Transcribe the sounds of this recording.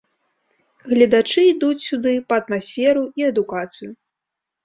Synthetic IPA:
ɣlʲɐd̪at͡ʂɨid̪ut͡sʲsʲud̪ɨpɐːt̪masʲfʲɛɾuiɛd̪ukat̪sɨju

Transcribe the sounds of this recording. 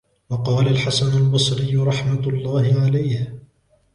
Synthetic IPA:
wɑqɑːlalħasanalbɑsˤɾɪjːʊɾˤɑħmalˤːɑːhɪʕalajh

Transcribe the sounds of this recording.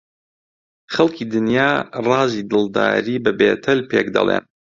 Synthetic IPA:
χɐlˠkʰid̪ɨnjaːrɑːziːd̪ɨlˠd̪a̰ːɾiːbɐbeːt̪ʰɐlpeːkd̪ɐ̰lˠḛn

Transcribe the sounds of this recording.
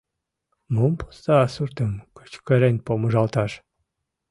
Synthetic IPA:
mumpo̥st̪ɑːsurt̪əmkə̥t͡ɕkə̆ɾenʲpoməʒɑlt̪ɑʃ

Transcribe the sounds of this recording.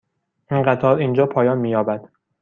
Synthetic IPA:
ʔinɢæt̪ʰɒːɾind͡ʒɒːpʰɒːjɒːnmiːjɒːbæd̪̥

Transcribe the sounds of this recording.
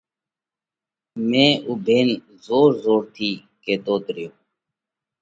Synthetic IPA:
mẽːʔubʱeːn | zoːɾzoːɾt̪ʰiː | keːd̪oːd̪ɾɪjoː

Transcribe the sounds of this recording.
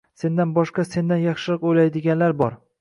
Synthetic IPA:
se̞nd̪anbɒʃqɑse̞nd̪anjɑχʃɪɾɨqojlajd̪ɪɡʲanlaɾbɒɾ

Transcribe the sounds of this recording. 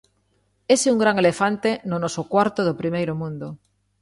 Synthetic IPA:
eseuŋɡɾaŋelefant̪enonosokwaɾt̪oð̞opɾimejɾomũnd̪o

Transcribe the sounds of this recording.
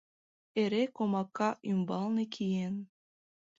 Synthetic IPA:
eɾekomɑkːɑʔymbɑlnekʰijen

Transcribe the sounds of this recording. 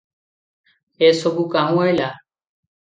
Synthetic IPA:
esobukaɦũajla

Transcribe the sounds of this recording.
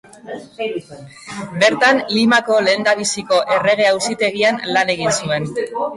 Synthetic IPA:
be̞ɾt̪anlimako̞le̞ːnd̪aβisiko̞ʔe̞re̞ɣ̞e̞awsit̪e̞ɣianlane̞ɣ̞insue̞n

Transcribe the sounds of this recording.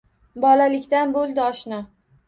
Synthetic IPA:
bɒlalɪkʲt̪anbolˠd̪ɪɒʃnɒ

